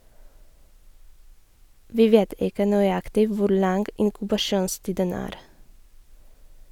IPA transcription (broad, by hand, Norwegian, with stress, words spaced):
ˈʋiː ˈʋeːt ˈɪkə nœʏˈɑktɪ ˈʋʊɾ ˈlɑŋɡ ɪŋkʉbɑˈʃuːnˌstiːdən ˈæːɾ